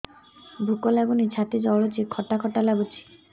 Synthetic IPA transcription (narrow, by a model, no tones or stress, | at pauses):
bʱukɔlabunit͡ʃʰat̪id͡ʒɔɭɔt͡ʃʰikʰɔʈakʰɔʈalabut͡ʃʰi̥